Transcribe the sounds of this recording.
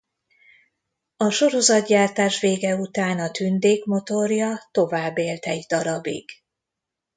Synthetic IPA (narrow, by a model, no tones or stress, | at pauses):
ɒʃo̞ɾo̞zɒt̪ɟaːrt̪aːʃʋeːɡɛut̪aːnɒt̪ynd̪eːkmo̞t̪o̞rjɒt̪o̞vaːbːeːlt̪ɛjid̪ɒɾɒbḭɡ̥